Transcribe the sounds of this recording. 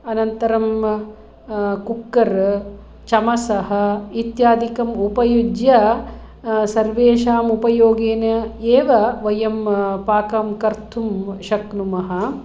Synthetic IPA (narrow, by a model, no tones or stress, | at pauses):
ɐnɐnt̪ɐɾɐm | kukːɐɾ | t͡ʃɐmɐsɐɦɐ̆it̪jaːd̪ikɐmupɐjud͡ʒjɐ | sɐɾʋeːʃaːmupɐjoːɡeːnɐeːʋɐʋɐjɐmpaːkamkɐɾt̪ʰumʃɐknumɐɦɐ̆